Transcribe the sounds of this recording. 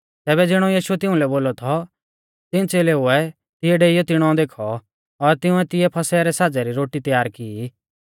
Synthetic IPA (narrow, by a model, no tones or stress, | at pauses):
t̪ɛːbɛd͡zɪɽ̃ũjiːʃuɛt̪ɪũlɛboːlɔt̪ʰɔ | t̪ɪnt͡seːleɦʊɛ | t̪ɪjɛɖeːɪjɔt̪ɪɽ̃ɔ̃d̪eːkʰɔ | ɔɾt̪ɪʊ̃ɛt̪ɪɛpʰɐsɛɾɛsaːd͡zɛɾiɾoːʈit̪jaːɾki